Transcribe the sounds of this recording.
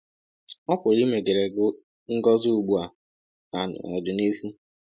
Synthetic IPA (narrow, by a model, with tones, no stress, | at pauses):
ɔ˦kʷʊ˨ɾi˦me˨ɡe˨ɾe˨ɡʊ˦ | ŋ̩˦ɡɔ˦zu˦u˨ɡ͡bu˦a˨ | na˨nʊ̰˨ɔ̰˨dʊ˨ni˦hu˦